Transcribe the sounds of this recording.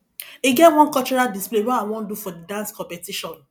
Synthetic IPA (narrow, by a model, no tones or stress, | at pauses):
iɡɛw̃ɔ̃nkɔt͡ʃɔɾadisplewɔaw̃ɔ̃n̩dufɔdidãnskɔ̃pɛtiʃɔ̃n